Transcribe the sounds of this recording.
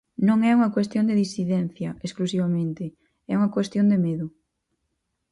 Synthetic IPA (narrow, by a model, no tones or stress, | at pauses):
nõŋɛuŋɐkwest̪jõnd̪eðisiðɛnθjɐesklusiβɐmẽnt̪ɪ | ɛuŋɐkwest̪jõnd̪emeðʊ